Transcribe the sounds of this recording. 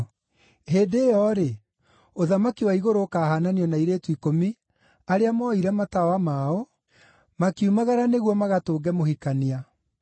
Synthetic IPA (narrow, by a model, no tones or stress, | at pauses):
ɦeːdeːjɔɾe | oðamakiwaiɣoɾoːkaːhananiɔnaiɾeːtwikomi | aɾeamɔiɾɛmatawamaːo | makiumaɣaɾaneɣwɔmaɣatoːɡɛmohikania